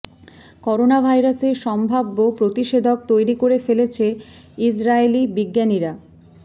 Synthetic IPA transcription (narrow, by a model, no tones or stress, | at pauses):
kɔɾonabʱajɾaseɾʃɔmbʱabːopɾot̪iʃed̪ʱok̚t̪ojɾikoɾefelet͡ɕʰe | id͡ʑɾaelibiɡːaniɾa